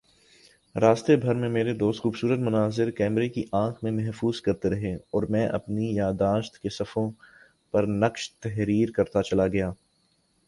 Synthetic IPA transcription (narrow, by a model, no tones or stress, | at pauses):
ɾaːst̪ebʱɐɾmẽmeːɾed̪oːst̪xuːbsuːɾət̪mʊnaːzɪɾkɛːmɾekiʔãːkʰmẽmɛɦfuːzkɐɾt̪eɾɐɦeɔːɾmɛ̃ːʔɐ̰pnijaːd̪aːʃt̪kesɐfõ | pɐɾnɐkʃt̪ɛɦɾiːɾkɐɾt̪at͡ʃɐlaɡɐjaː